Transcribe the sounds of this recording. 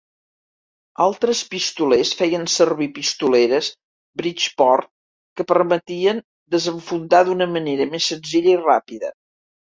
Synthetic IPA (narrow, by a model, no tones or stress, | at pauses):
a̰lˠt̪ɾəspist̪ulesfɛjənsərβipist̪uleɾəs | bɾit͡ʃpɔrt̪̚ | kəpərmət̪iən | d̪əzəɱfund̪aðunəməneɾəmesːənziʎəirapiðə̰